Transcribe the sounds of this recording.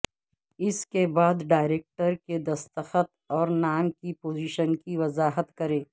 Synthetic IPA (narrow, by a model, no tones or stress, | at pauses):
ɪskebaːd̪ɖaːɪɾeːk̚ʈəɾked̪ɐst̪əxət̪̚ | ɔːɾnaːmkipoːziːʃənkiʋɐzaːɦət̪kɐɾẽː